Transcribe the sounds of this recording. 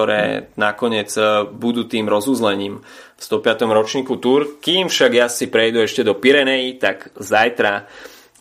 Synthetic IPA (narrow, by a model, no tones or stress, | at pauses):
ɔɾɛ̰ːnakɔɲɪɛd͡zbud̪uːt̪iːmɾɔzuːzlɛɲiːmfst̪ɔpɪat̪ɔmɾɔt͡ʃɲiːkut̪uɾkiːmfʃaɡjasipɾɛjd̪uɛʃcɛd̪ɔpiɾɛnɛjit̪aɡzajt̪ɾa